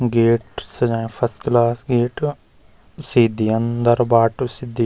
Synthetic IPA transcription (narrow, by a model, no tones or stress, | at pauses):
ɡeːʈsəd͡ʒaẽpʰəsklaːsɡeːʈ | siːd̪iːənd̪əɾbaːʈsid̪i